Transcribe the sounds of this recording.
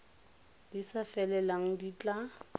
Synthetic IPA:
d̥isafɛlɛlaŋ̩dit͡ɬʼa

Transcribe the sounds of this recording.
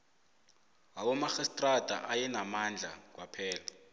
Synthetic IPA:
awɔmaxɛstʼrad̥ʱʼa̰ʔajɛnamand͡ɮʱa̰k̬wapʰɛːla

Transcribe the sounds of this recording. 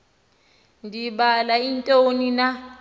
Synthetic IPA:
ndibalaintʼonina

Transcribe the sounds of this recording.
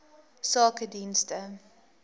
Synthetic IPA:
sɑːkədinstə

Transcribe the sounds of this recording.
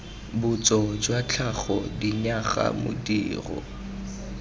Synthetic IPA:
bʊt͡sʼɔd͡ʒwat͡ɬʰaχɔdiɲaχa̰mʊ̰diːrɔ̰

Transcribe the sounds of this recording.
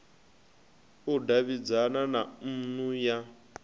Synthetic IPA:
udaβid͡zananan̩nuja

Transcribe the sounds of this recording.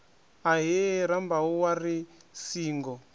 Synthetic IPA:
aɦiɾambauwarisiːŋɡɔ

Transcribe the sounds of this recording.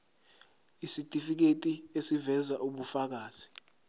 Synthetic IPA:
isitʼifik̬etʼiesivɛzaʔuɓufak̬aːz̥i

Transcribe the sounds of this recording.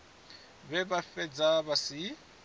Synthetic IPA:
bɛbafɛd͡zabasɪ

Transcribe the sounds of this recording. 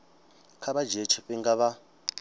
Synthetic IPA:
kʰaβad͡ʒet͡ʃʰiɸiŋɡaβa

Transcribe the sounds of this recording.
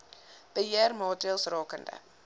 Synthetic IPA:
b̥əɦiərmɑːtiəlˠsrɑːkəndə̰

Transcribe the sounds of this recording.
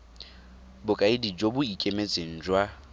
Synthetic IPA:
bʊkʼaɪdid͡ʒobʊikʼemet͡sʼeŋ̩d͡ʒwa

